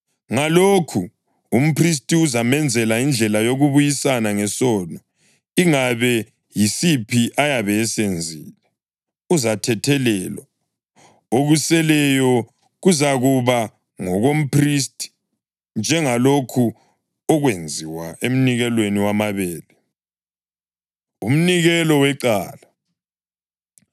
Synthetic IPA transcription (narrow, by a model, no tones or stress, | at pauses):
ŋalokʰu | um̩pʰris̬tʼiuzamɛnd͡zʱɛlaind͡ɮʱɛlajoɣuβujisanaŋɛsɔnɔ | iŋaβɛ | jisipʰiʔajaβɛːsend͡zʱiːlɛ | uzatʰɛtʰɛlɛːlwa | oɣusɛlɛjɔ | ɣuzaɣuβa | ŋɔɣom̩pʰris̬tʼʰi̥ | nd͡ʒʱɛŋalokʰu | ɔɣwend͡zʱiwaem̩niɣɛlweniwamaβɛːlɛ | ṵm̩niɣɛlɔwɛǃaːla